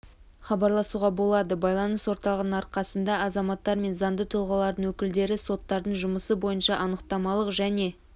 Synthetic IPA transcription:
χɑbɑɾlˠɑsuʁɑbo̞lˠɑd̪əbɑjlˠɑnəswo̞ɾt̪ɑlˠʁnəɴɑɾqɑsənd̪ɑɑzɑmɑt̪ːɑɾme̞nzɑnd̪ət̪ʰʊlˠʁɑlˠɑɾd̪əɴwɵkʲɪld̪e̞ɾɪso̞t̪ːɑɾd̪əɴʒʊməsəbo̞jənʃɑʔɑnəqt̪ɑmɑlˠəqʒæne̞

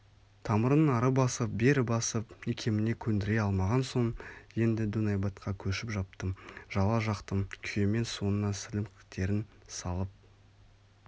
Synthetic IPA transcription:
t̪ʰɑməɾənɑɾəbɑsəp̚be̞ɾɪbɑsəpekʲʰe̞mɪne̞kʲʰɵnd̪ɪɾe̞ɑlˠmɑʁɑnso̞ɴje̞nd̪ɪd̪unɑjbɑt̪qʰɑkʲʰɵʃɪpʒɑp̚t̪əmʒɑlˠɑʒɑqt̪əmkʲʰʏjeme̞nso̞nənɑsɪlɪmqʰə̥qt̪e̞ɾɪnsɑlˠəp̚

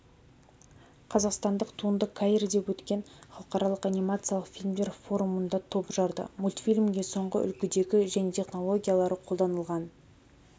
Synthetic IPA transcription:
qʰɑzɑqst̪ɑnd̪əqt̪ʰuənd̪əkʰajrd̪e̞pwɵt̪kʲe̞nχɑlˠəqɑɾɑlˠəqanijmat̪sɨjalˠəqfʲilʲmd̪e̞ɾfo̞ɾumənd̪ɑt̪ʰo̞pʒɑɾd̪ə̰mulʲt̪fʲilʲmɡʲe̞so̞ɴʁə̰ʔʏ̰lkʲɪd̪e̞ɡʲɪʒæne̞t̪ʰe̞χno̞lˠo̞ɡʲijalˠɑɾəqʰo̞lˠd̪ɑnəlˠʁɑn

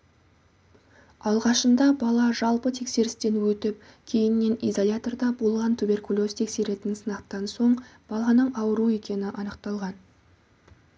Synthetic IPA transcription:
ɑlˠʁɑʃənd̪ɑbɑlˠɑʒɑlˠpət̪ʰe̞kse̞ɾɪst̪e̞nwɵt̪ɪp̚ | kʲʰe̞jɪnːe̞nijzolʲat̪o̞rd̪ɑbolˠʁɑnt̪ʰube̞rkulʲˠo̞st̪ʰe̞kse̞ɾe̞t̪ɪnsənɑqt̪ɑnso̞ɴb̥ɑlˠɑnəɴɑwəɾue̞kʲe̞nɪʔɑnəq̚t̪ɑlˠʁɑn

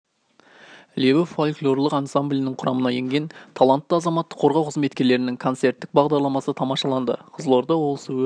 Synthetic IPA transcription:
lʲewɪfolʲklˠo̞rlˠəqɑnsamblʲijnɪɴqʰʊɾɑmənɑje̞ŋɡʲe̞nt̪ʰɑlˠant̪ːəɑzɑmɑt̪ːə̥qʰo̞ɾʁɑwqʰəzme̞t̪kʲe̞ɾle̞ɾɪnɪŋkʰo̞nt̪se̞ɾt̪ːɪk̚bɑʁd̪ɑɾlˠɑmɑsət̪ʰɑmɑʃɑlˠɑnd̪ə̰qʰəzəlˠoɾd̪ɑwo̞lˠsə

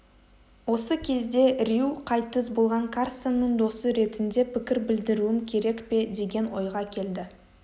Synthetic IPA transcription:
wo̞səkʲʰe̞zd̪e̞ɾʲjuqʰɑjt̪əsbo̞lˠʁɑŋkʰarsenːəɴd̪o̞səɾe̞t̪ɪnd̪e̞pʰʲɪkʲɪɾbɪld̪ɪɾuɪmkʲʰe̞ɾe̞kpe̞d̪e̞ɡʲe̞nwo̞̰jʁɑkʲʰe̞ld̪ɪ

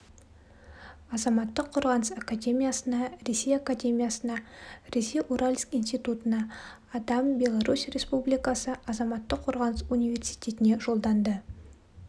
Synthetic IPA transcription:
ɑzɑmɑt̪ːəqʰːoɾʁɑnəsakad̪ʲe̞mʲijasənɑɾe̞sʲe̞jakad̪ʲe̞mʲijasənɑɾe̞sʲe̞jʔuɾʔalʲskijnst̪it̪ut̪ənɑː | d̪ɑmbe̞lˠaɾusrʲe̞spublijkɑsəɑzɑmɑt̪ːəqʰːoɾʁɑnəsunijvʲe̞rsi̥jt̪ʲe̞t̪ɪne̞ʒo̞lˠd̪ɑnd̪ə

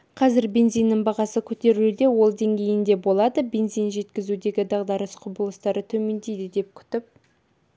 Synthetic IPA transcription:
qʰɑzɪɾbʲe̞nzijnːəɴbɑʁɑsəkʲʰɵt̪e̞ɾd̪e̞wo̞lˠd̪e̞ŋɡʲe̞jɪnd̪e̞bo̞lˠɑd̪əbʲe̞nzijnʒe̞t̪kʲɪzud̪e̞ɡʲɪd̪ɑʁd̪ɑɾəsqʰʊbəlˠəst̪ɑɾət̪ʰɵme̞nd̪ejd̪ɪd̪e̞p̚kʲʰʏ̥t̪ɪp̚

